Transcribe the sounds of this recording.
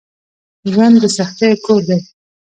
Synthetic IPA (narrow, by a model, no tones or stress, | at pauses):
ʒwand̪ːəsaxt̪ajkoɾd̪e